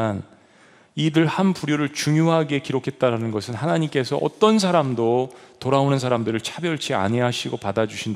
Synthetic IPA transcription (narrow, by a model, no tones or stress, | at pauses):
an | idɯɭhanpuɾjoɾɯɭt͡ɕuŋjoɦaɡe̞kiɾokʰe̞t̚t͈aɾanɯnɡʌsʰɯnɦanaɲimk͈e̞sʰʌʔʌ̰t͈ʌns̬ʰaɾamdotoɾaonɯns̬ʰaɾamdɯɾɯɭt͡ɕʰabjʌɭt͡ɕʰia̰ɲɦeɦaɕʰiɡopadad͡ʑuɕʰind